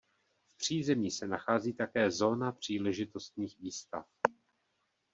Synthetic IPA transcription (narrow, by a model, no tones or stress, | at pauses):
fpr̝̥iːzɛmɲisɛnaxaːziːt̪akɛːzo̞ːnapr̝̥iːlɛʒɪt̪o̞st̪ɲiːxviːst̪a̰f